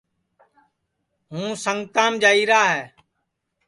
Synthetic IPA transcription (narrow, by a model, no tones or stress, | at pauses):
ɦũːsəŋɡt̪ãːmd͡ʒaːiːɾaːɦɛː